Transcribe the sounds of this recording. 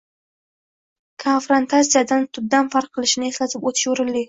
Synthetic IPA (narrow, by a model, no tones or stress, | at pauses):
kʰonfɾont̪ʰat̪sijad̪ant̪ʰʊd̪̚d̪anfaɾq̚qːɨlˠɪʃɪnɪe̞slat̪ʰɪpot̪ʰɪ̥ʃoɾɪlːɪ